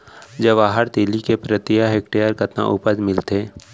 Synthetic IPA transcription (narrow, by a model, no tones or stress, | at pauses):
d͡ʒəʋaːɦəɾt̪ilikepɾət̪ɪjaɦeːkʈejəɾkət̪nã̰ʔʊpəd͡ʒmɪlt̪eː